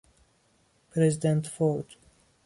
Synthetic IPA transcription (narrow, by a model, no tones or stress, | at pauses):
pʰɾɛzɪdə̃ntfɔd